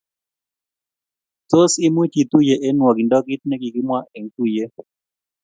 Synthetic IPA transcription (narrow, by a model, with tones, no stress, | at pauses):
t͡so˦si˦mwi˦t͡ʃi˨t̪u˦je˨ʔɛ˦nwɔ˨ɡi˨ndɔ˦ki˦t̚nɛ˦ki˨ki˦mwa˦ʔɛ˨ŋ˦ku˦je˦